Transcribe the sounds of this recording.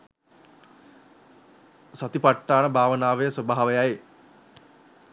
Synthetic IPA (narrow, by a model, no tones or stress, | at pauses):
sat̪ipaʈːaːnəbʱaːʋənaːʋejəsəbaɦaʋəjaje